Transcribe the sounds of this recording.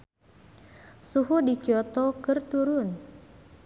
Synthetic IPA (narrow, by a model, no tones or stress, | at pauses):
suɦudi̥d͡ʒɔt̪ɔkərt̪uɾʊn